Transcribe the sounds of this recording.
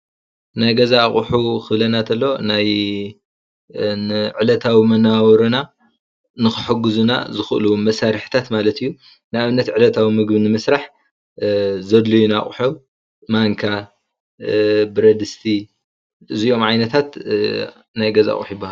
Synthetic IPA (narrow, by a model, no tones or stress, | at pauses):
najɡɐzaχʼħuxɨβlɐnat̪ʰɐlːo̞naj | ʕɨlɐt̪ʰawimɐnawɾuna | nɨxɨħɨɡɨzuna̰zɨxʔɨlumɐsaɾħɨ̥t̪ʰat̪malɐt̪ɨjːu | nɨaβɨnːɐt̪ʕɨlɐt̪ʰawimɨɡbɨnɨmɨsɾaħ | zɐd̪lujunaχʼħu | maŋkʰa | bɨɾɐd̪ɨst̪ʰi | ʔɨzio̞mʕajnɐt̪ʰat̪ | najɡɐza̰χʼħujɪbːahal